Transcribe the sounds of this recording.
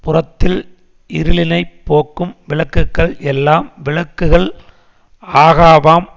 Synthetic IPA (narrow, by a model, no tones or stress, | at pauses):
pʊrɐt̪ːɪl | ɪɾɯlɪnɐɪpːoːkːɯmʋɪɭɐkːɯkːɐɭʔɛlːaːmʋɪɭɐkːɯɣɐɭ | aːɣaːʋaːm